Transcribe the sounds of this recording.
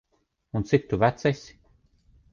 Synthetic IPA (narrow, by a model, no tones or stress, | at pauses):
unt̪sit̪ːuvæt̪sɛsʲ